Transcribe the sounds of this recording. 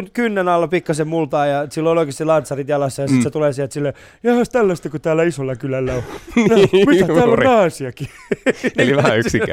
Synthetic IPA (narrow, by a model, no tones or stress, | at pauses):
nkynːenɑlːɑpikːɑsemmult̪ɑːjɑsilːooloikest̪ilɑnt̪sɑrit̪jɑlɑsːɑjɑsit̪set̪uleːsiælt̪silːe | jɑhɑst̪ælːæst̪ækot̪æːlæisolːɑkylælːæonmiææːlːonɑisiɑki | eliʋæhæyksiæ̰